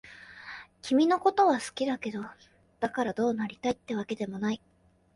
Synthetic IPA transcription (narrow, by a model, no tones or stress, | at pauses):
kʲimʲino̞ko̞t̪o̞βasɨ̥kʲid̪ake̞d̪o̞ | d̪̥akaɾad̪o̞ːnaɾʲit̪ait̪ːe̞βake̞d̪e̞mo̞nai